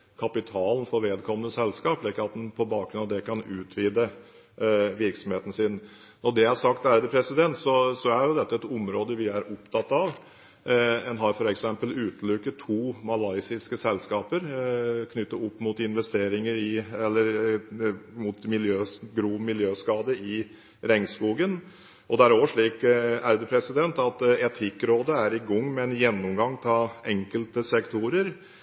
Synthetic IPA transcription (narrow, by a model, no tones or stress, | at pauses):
kʰɑpɪt̪ʰɑːln̩fɔɾʋeːd̪kʰɔmənəsɛlskɑːplɪkːəɑt̪̚d̪ɛnpʰɔbɑːkɾʉnɑʋd̪ɛkʰɑnʉːt̪ʰʋiːd̪ə | ʋɪɾksɔmheːt̪ən̩sɪn | nɔɖɛæʂɑkt̪æːɾd̪əpʰɾɛsɪd̪ɛnt̪sɔsɔæɾjʊd̪ɛt̪ːəɛt̪ʊmɾoːd̪əʋɪæɾʊpt̪ʰɑt̪ːɑʋ | ɛnɦɑɾfɔɾɛksɛmpəlʉːt̪lʉkːət̪ʰːuːmɑlɑɪsɪskəsɛlskɑːpəɾkʰnʏt̪ːəʊpːmʊt̪ɪnʋɛst̪eːɾɪŋəɾɪɛlːəɾ | mʊt̪mɪljøːɡɾuːmɪljøːskɑːd̪əɪ | ɾɛŋskuːɡən | ɔd̪ɛæɾoːʋəʂɭiːkæɾd̪əpʰɾɛsɪd̪ɛnt̪ɑt̪ɛt̪ʰɪkːɾoːd̪əæɾɪɡɔŋːmɛɛnjɛnːʊmɡɑŋːt̪ʰɪlɛŋkəlt̪əsɛkt̪ʰʊɾəɾ